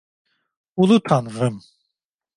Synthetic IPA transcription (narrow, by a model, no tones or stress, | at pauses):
ulut̪ʰanʁəm